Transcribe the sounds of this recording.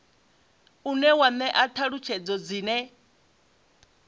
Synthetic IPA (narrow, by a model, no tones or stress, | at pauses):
unɛwanɛʔatʰaɺut͡ʃʰɛd͡zɔd͡ziːnɛ